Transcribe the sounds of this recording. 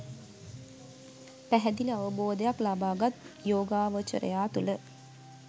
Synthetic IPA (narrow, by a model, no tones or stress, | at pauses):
pæɦɛd̪iləaʋəboːd̪əjaklabaːɡat̪joːɡaːʋət͡ʃə̰ɾə̰jaːt̪ulə